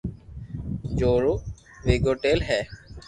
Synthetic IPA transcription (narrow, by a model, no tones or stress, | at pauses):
d͡ʒoːɾoː | ʋeːɡoːʈeːlɦɛː